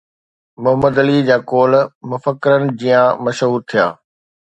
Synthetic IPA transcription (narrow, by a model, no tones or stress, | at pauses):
mʊɦəməd̪ɐlid͡ʑaːkoːlmʊfəkːɪɾənɪ̆d͡ʑiːjãmɐʃɦuːɾt̪ʰija̰ː